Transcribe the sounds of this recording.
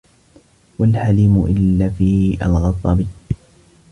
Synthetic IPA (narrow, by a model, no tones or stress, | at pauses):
walhaliːmʊʔɪlːaːfiːʔa̰lɣɑt̪ˤːɑbɪ